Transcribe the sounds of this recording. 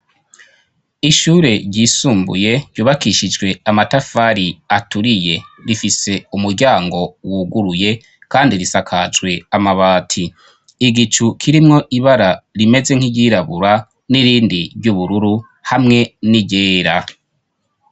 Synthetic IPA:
iʃuːɾe̞ɾɟiːsuːmbṵje̞ɾɟuːβakiʃid͡ʒɡwe̞amatafaɾiatuɾije̞ɾifise̞umuɾɟaːŋɡo̞wuɡuɾuje̞ | kaːndiɾisakʰad͡ʒwe̞amaβaːtʰiː | ɡit͡ʃukʰiɾimŋo̞ʔiβaɾaɾime̞ze̞ŋ̥iɟiɾaβuɾa | niɾiːndiɾɟuβuɾuɾu | hamŋe̞niɟeːɾa

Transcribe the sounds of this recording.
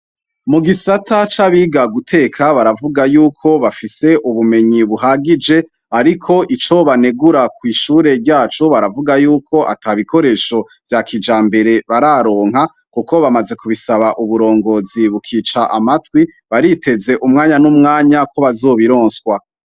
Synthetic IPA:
muɡisatʰat͡ʃaβiɡaɡutʰe̞ːkʰaβaɾavuɡajuːkʰo̞βafise̞ʔuβume̞ɲiβuɦaɡid͡ʒe̞ | aɾikʰo̞ʔit͡ʃo̞βane̞ɡuɾakwiːʃuːɾe̞ɾɟaːt͡ʃo̞βaɾavuɡajuːkʰo̞ʔa̰tʰaβikʰo̞ɾe̞ʃo̞ | vjakʰid͡ʒaːmbe̞ɾe̞βaɾaɾo̞ːŋha | kuko̞βamaze̞kuβisaβaʔuβuɾo̞ːŋɡo̞ziβukʰiːt͡ʃaʔamatwi | βaɾitʰe̞ze̞ʔumŋaːɲanumŋaːɲakʰo̞βazo̞ːβiɾoːnswa

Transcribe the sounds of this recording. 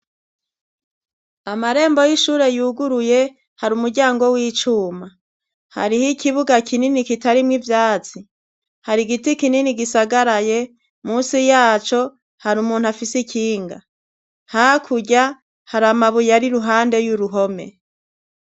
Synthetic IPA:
amaɾe̞ːmbo̞jiʃuːɾe̞juːɡuɾuje̞ | haɾumuɾɟaːŋɡo̞wiːt͡ʃuːma | ha̰ɾihikiβuɡakʰininikitaɾimŋivjaːt͡si | haɾiɡitikininiɡisaɡaɾaje̞ | muːsijaːt͡ʃo̞ | haɾumuːnhuafisikʰiːŋɡa̰ | haakʰuɟa | haɾamaβujaɾiɾuɦaːnde̞juɾuɦo̞me̞̰

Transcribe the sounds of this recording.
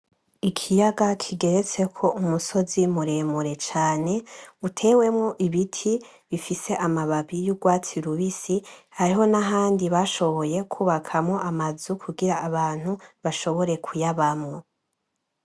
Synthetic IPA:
ikʰijaɡakʰiɡe̞ɾet͡se̞kʰo̞umuso̞zimuɾeːmuɾe̞t͡ʃaːne̞utʰe̞ːwe̞mŋo̞ʔiβitʰi | βifise̞ʔamaβaβijuɡwaːt͡siɾuβisihaɾiɦo̞naɦaːndiβaʃo̞βo̞je̞kʰuːβakʰamŋo̞amazukʰuɡiɾaːβaːn̥huβaʃo̞βo̞ɾe̞kʰujaβamŋo̞

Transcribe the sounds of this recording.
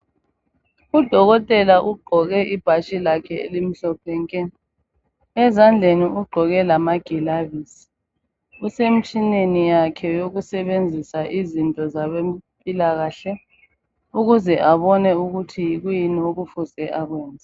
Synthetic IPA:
ud̥ʱɔɣɔtʼɛlaʔuɡ͡ǃʱɔɣɛʔib̥ʱaʃilakʰɛḛlim̩ɬɔpʰɛŋkʼɛn | ɛzand͡ɮʱeniuɡ͡ǃʱɔɣɛlamaɡ̥ʱilavisi̥ | usem̩t͡ʃʼinenijakʰɛjoɣusɛβend͡zʱisaʔizintʼɔzaβempʼilaɣaːɬɛ | uɣuzɛʔaβɔnɛuɣutʰijiɣujinioɣufusɛʔaɣwɛːnd͡zʱa

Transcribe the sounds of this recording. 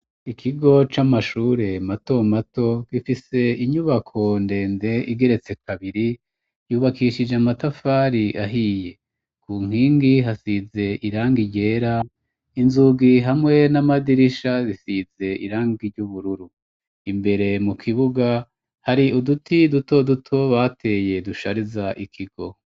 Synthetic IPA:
ikʰiɡo̞t͡ʃamaʃuːɾe̞mato̞mato̞ɡ̥ifise̞iɲuβakʰo̞nde̞ːnde̞ʔiɡe̞ɾe̞t͡se̞kaβiɾi | juːβakiʃid͡ʒeamatafaːɾiʔaɦije̞ | kuːŋ̥hiːŋɡiɦasize̞ʔiɾaːŋɡiɟe̞ːɾa | inzuɡiɦamŋe̞namadiɾiʃazisize̞ḭɾaːŋɡiɾɟuβuɾuɾu | imbe̞ɾe̞mukʰiβuɡa | haɾiʔudutʰiduto̞dutʰo̞βatʰe̞ːje̞duʃaɾizaʔikʰiɡ̥o̞

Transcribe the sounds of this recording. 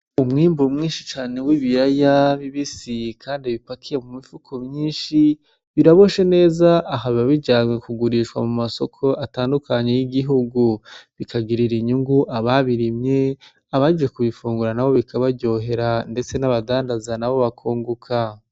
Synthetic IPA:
umŋiːmbumŋiːnʃit͡ʃaːne̞wiβiɾajaβiβisikʰaːndiβipakʰije̞mumifukʰomɲiːnʃi | βiɾaβo̞ʃe̞ne̞ːzaʔːɦaβiβaβiɟaːmekuɡuɾiʃkwa̰mumaso̞kʰo̞ʔataːndukʰaɲe̞jiɡiɦuɡuβikʰaɡiɾiɾiɲuŋɡuʔaβaβiɾimɲe̞ | aβad͡ʒije̞kuβifuːŋɡuɾanaβo̞βikʰaβabɟo̞ːɦe̞ɾande̞t͡se̞naβadaːndazanaβo̞βakʰoːŋɡukʰa

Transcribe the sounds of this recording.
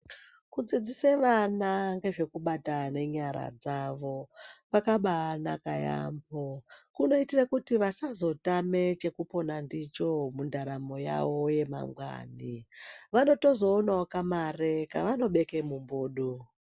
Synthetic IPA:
kud͡zid͡ziseʋanaŋɡe̞ʐe̞kuɓatane̞ɲaɾa̰d͡zaʋo̞ʋakaɓana̰kaja̰ːmbokuno̞itirakutiʋasazo̞tame̞t͡ʃe̞kupo̞nandit͡ʃo̞mundaɾamo̞ja̰wo̞je̞ma̰ŋɡwa̰ːniʋano̞to̞zo̞ːnaokamarekaʋano̞ɓe̞kemumboːɗu

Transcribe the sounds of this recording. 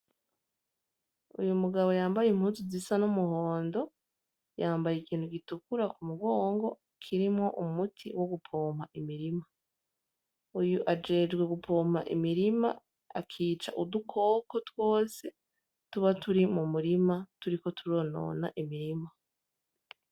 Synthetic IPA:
ṵjumuɡaβo̞jaːmbajem̥huːnzizisanumuho̞ːndo̞ | jaːmbajekiːnthuɡitukuɾakumuɡoːŋɡo̞ | kʰiɾimŋo̞ʔumutʰiwo̞ɡupʰo̞ːm̥haʔimiɾima | ujuʔad͡ʒe̞d͡ʒɡwe̞ɡupʰo̞ːm̥a̰ʔḭmiɾima̰ | a̰kʰiːt͡ʃa̰ʔudukʰo̞ːko̞two̞ːse | tuβatuɾimumuɾimatuɾiko̞tuɾo̞no̞̰ːna̰ʔimiɾima

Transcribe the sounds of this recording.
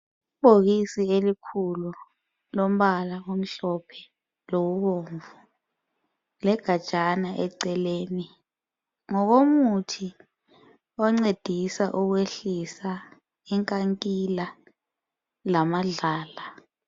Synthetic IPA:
ib̥ʱoɣisielikʰulu | lom̩ɓalaom̩ɬɔpʰɛ̥ | loɣuɓoːɱvu | lɛɡ̥ʱḁt͡ʃʼanaʔɛǀɛleːni | ŋɔk̬omutʰi | ɔŋ͡ǀed̥ʱisaʔuk̬weɬisa | iŋkʼaŋkʼila | lamaɮaːla

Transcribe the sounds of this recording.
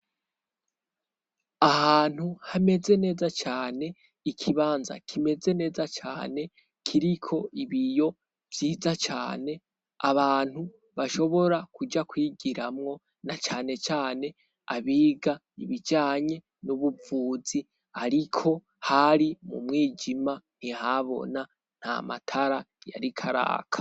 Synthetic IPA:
ahaːn̥huhame̞ze̞ne̞ːzat͡ʃaːne̞ | ikʰiβaːnza̰kʰime̞ze̞ne̞ːzat͡ʃa̰ːne̞ | kʰiɾikʰo̞ʔiβijo̞ | v̥jiːzat͡ʃa̰ːne̞ | aβaːn̥hu | βaʃo̞βo̞ɾakud͡ʒakwiːɡiɾamŋo̞ | nat͡ʃaːne̞t͡ʃaːne̞ | a̰βiːɡa | iβid͡ʒaːɲe̞ | nuβuvuːzi | aɾikʰo̞ | haɾimṵmŋwiːd͡ʒiman̥iɦaβo̞̰na | n̥ha̰ma̰tʰaɾa | ja̰ɾikʰaɾa̰ːkʰḁ

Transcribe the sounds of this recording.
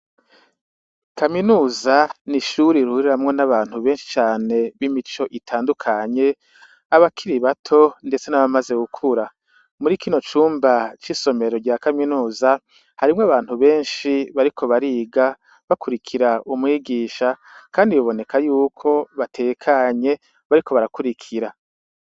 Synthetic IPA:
kaminuːzaniʃuɾiɾuhuɾiɾamŋo̞naβaːn̥huβe̞ːnʃi̥t͡ʃaːne̞βimit͡ʃo̞ʔitʰaːndukʰaɲe̞ | aβakʰiɾiβatʰo̞nde̞t͡se̞naβamaze̞ɡukʰuɾa | muɾiːkiːno̞t͡ʃuːmbat͡ʃiso̞me̞ɾo̞ɾɟaːkaminuːza | haɾimŋoaβaːn̥huβe̞ːnʃiβaɾikʰo̞βaɾiːɡa | βakuɾikʰiɾaumŋiːɡiːʃakaːndijoβo̞ne̞kʰajuːkʰo̞βatʰe̞ːkʰaɲe̞ | βaɾiko̞βaɾakuɾikʰiɾa

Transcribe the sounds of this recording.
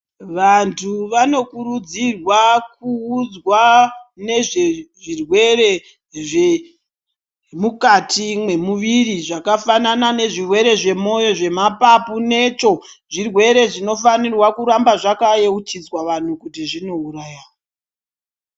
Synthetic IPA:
ʋantʰuʋano̞kuɾud͡zirwakuːd͡zwane̞ʐeʐirwe̞re̞ | ʐe | mukatʰimwe̞muʋiriʐakafananane̞ʐirwe̞ɾe̞ʐe̞mo̞jo̞ʐe̞mapapune̞ːt͡ʃo̞ʐirwe̞ɾe̞ʐino̞fanirwakuɾambaʐakajeut͡ʃid͡zwaʋan̤ukutiʐino̞urajaːwo

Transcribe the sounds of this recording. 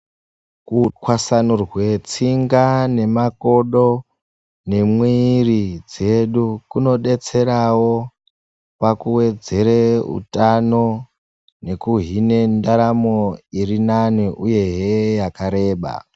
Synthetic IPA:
kuwasanurwe̞t͡siŋɡane̞mako̞ɗo̞ | ne̞mwirid͡ze̞ɗukuno̞ɗe̞t͡se̞ɾawo̞ | pakuwe̞d͡ze̞ɾeṵtano̞ | ne̞kuɦine̞ndaɾamoirinaniʔuje̞ɦejakaɾe̞ːɓa̰

